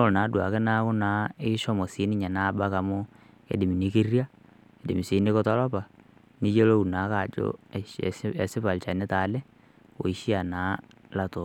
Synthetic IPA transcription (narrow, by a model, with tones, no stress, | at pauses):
o˦˨na˨˦dwa˨ke˦na˦kʊ˦na˨˦ɪ˦ʃɔ˦mɔ˨si˨˦nɪ˦ɲa˨naː˦ba˦ka˨mo˦ | ḛ˨di˨mi˨ni˦ki˦rja˦ | e˨di˨mi˨si˨˦ne˦kɔ˦tɔ˦lɔ˦pa˨ | ni˦jo˦lo˦u˨na˨˦ka˨d͡ʒo̰˦ | ɛ˨sɪ˦pa˨lt͡ʃa˨nɛ˦taː˨lɛ˦ | o̰˨i˦ʃi˦a˨na˨˦la˦to˨